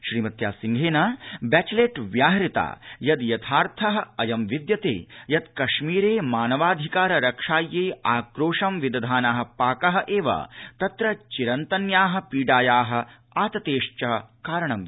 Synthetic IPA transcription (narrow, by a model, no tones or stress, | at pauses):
ʃɾiːmɐt̪jaːsiŋɡʱeːnaːbɛːt͡ʃleʈʋjaːɦɾit̪a̰ːjɐd̪jɐt̪ʰaːɾt̪ʰɐɦɐ̆ɐjɐmʋid̪jɐt̪ḛːjɐd̪kɐʃmiːɾeːmaːnɐʋaːd̪ʱikaːɾɐɾɐkʂaːjːeːaːkɾoːʂɐmʋid̪ɐd̪ʱaːnaːɦɐ̆paːkɐɦɐ̆ʔeːʋɐ̰t̪ɐt̪ɾɐt͡ʃiɾɐnt̪ɐnjaːɦɐ̆piːɖaːjaːɦɐ̆ | aːt̪ɐt̪eːʂt͡ʃɐɦɐkaːɾɐɳɐm